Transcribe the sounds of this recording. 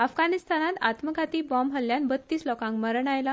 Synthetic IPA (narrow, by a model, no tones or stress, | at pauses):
afɡanist̪anat̪a̰t̪məɡʱat̪iːbɔmɦəljanbət̪ːiːslɔkãŋkməɾɳ̃ajla